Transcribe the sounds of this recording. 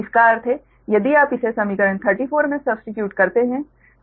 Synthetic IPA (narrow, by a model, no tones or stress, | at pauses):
ɪskaːɾt̪ʰe | jɐd̪iaːpɪsesɐmikəɾəɳt̪ʰəɾʈiːfʰoːɾmẽsɐbsʈɪʈjuːʈkɐɾt̪eɦɛ̃